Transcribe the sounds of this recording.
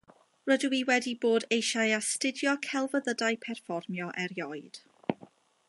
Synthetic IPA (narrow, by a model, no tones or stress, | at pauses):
rədwiwɛdiboːdejʃajastɪdjɔkʰɛlˠvəðədajpʰɛrfɔrmjɔʔɛɾjɔjd̥